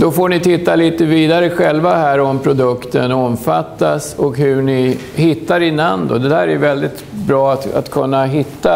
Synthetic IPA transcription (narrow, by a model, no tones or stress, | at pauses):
d̪̥ɔfoːɳɪt̪ʰɪt̪ːaliːt̪əviːd̪aɾəɧɛlvahæːɾɔmpʰɾʊd̪ɵkt̪ənɔmfat̪ːasɔkhɵɳɪ | hɪt̪ːaɾɪnand̪ʊ̰d̪ɛd̪æːɾæjɵvɛld̪ɪt̪bɾɑːat̪a̰t̪kʰɵnːaɦɪt̪ːa